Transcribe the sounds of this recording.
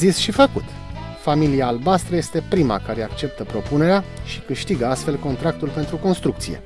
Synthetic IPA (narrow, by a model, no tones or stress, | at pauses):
zisʃifəkut̪ | familiaːlbast̪ɾəje̞st̪e̞pɾima̰kaɾe̞akt͡ʃe̞p̚t̪əpɾo̞pune̞ɾeaʃi̥kɨʃt̪iɡəast̪fe̞lko̞nt̪ɾak̚t̪ulpe̞nt̪ɾuko̞nst̪ɾukt̪sije̞̰